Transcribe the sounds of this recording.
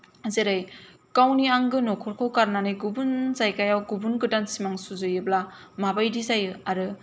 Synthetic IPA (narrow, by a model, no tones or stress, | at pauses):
azeɾajkawniaŋɡɯnokʰɔɾkʰawkaɾnanɯjɡubunzajkajawɡubunɡɯdansimaŋsuzɯjɯbla | mabajdizajɯaɾɯ